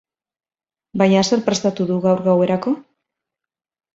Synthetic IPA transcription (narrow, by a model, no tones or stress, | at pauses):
bajɲase̞ɾpɾe̞st̪at̪uðuɣawɾɣawe̞ɾako̞